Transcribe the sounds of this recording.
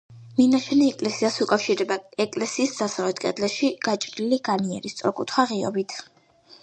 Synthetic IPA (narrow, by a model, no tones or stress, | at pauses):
minaʃʰɛniɛkʼlɛsiasukʼafʃiɾɛbaɛkʼlɛsiːsd̪z̥asalɛt̪ʰkʼɛ̰d̪lɛʃiɡ̥at͡ʃʼɾiliɡaniɛ̰ɾist̪sʼɔ̰ɾkʼut̪ʰχwaʁiɔ̰bit̪ʰ